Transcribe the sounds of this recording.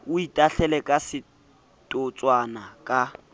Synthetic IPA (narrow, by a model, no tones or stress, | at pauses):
ʊitʼaɬɛlɛkʼasɪ | tʼʊt͡sʼwanakʼa